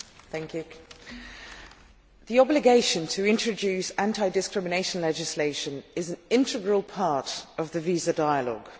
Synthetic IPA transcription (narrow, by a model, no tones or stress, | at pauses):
θæ̃ŋkjʉ | ðiɒblɪɡeɪʃə̃ntʰəɪ̃nt͡ʃɹ̥əd͡ʒʉˑsãntʰaɪdɪskɹɪmɪneɪʃə̃nlɛd͡ʒɪsleɪʃə̃nɪzə̃nɪ̃ntɪɡɹəlˠpʰɑˑtəvðəviːzədaɪəlɔ̰ɡ̥